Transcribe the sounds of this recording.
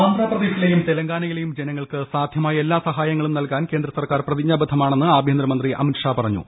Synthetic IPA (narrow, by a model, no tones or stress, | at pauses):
aːnd̪ɾaːprɐðeːsilejumt̪e̞lɐŋɡaːnɐjile̞jumd͡ʑe̞nɐŋːɐɭkɨsaːd̪ʱjɐmaːjɐe̞lːaːsɐɦaːjɐŋːɐɭumnɐlkaːnke̞ːnd̪ɾɐsɐrkaːrprɐðiɲːaːbɐd̪ʰʱɐmaːɳe̞nːɨaːbʱjɐnd̪rɐmɐnd̪riʔɐ̰mitʂaːpɐrɐɲːṵ